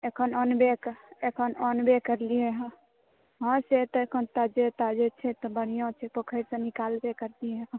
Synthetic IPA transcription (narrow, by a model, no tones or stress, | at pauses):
ekʰənɔnbekekʰənɔnbekəɾlieɦ | ɦə̃set̪ɔekʰənt̪ad͡ʒet̪ad͡ʒet͡ʃʰɛt̪ɔbəɽ̤ijõt͡ʃʰɛpəkʰəɾsə̃nikalbekəɾt̪iẽɦ